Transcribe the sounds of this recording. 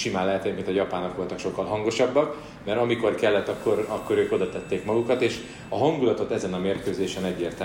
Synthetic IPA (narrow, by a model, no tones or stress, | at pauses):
ʃimaːlɛɦɛt̪ɛɛmint̪ɒjɒpaːnːɒkʋo̞lt̪ɒkʃo̞kːɒlɦɒŋɡo̞ʃɒbːɒk | mɛɾɒmiko̞rkɛlːɛt̪ːɒkːo̞ɾɒkːo̞ɾøːko̞d̪ɒt̪ɛt̪ːeːkmɒɡukɒt̪eːʃ | ɒɦɒŋɡulɒt̪o̞t̪ɛzɛnɒmeːrkøːzeːʃɛnɛɟːeːrt̪ɛ